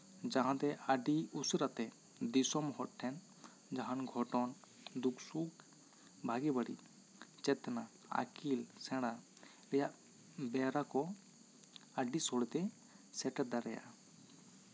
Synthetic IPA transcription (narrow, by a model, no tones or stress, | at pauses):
d͡ʒãɦãt̪ɛʔaɖiusɾat̪ɛ | d̪isɔmhɔʈʰɛn | d͡ʒaɦanɡʱɔʈɔn | d̪uksuk | bʱaɡɛbaɽḭ | t͡ʃɛt̪na | a̰kilsɛ̃ɽ̃a | lɛjaʔ | bɛɾakɔ | aɖisɔɽt̪ɛ | sɛʈɛd̪aɾɛja̰